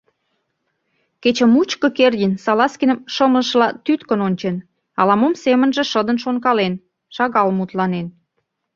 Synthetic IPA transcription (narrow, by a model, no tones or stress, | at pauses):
ket͡ɕə̆mut͡ɕkə̆kerdʲinsɑlɑskinə̆mʃəmlə̆ʃlɑt̪yt̪kə̆nonʲt͡ɕen | ɑlɑmomsemənʒĕʃəd̪ə̆nʃonkɑlen | ʃɑɣɑlmut̪lɑnen